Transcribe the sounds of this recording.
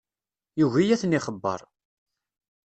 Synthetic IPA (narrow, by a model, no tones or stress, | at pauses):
juʝijæθnɪχəbːə̰ɾˤ